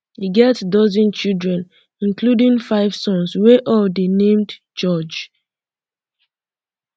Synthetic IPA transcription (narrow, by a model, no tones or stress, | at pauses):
hiɡɛtdɔzɔ̃nt͡ʃildɹɛ̃n | ĩnkludĩŋfaɪv̥sɔ̃nsweʔɔldenẽmd | d͡ʒɔd͡ʒ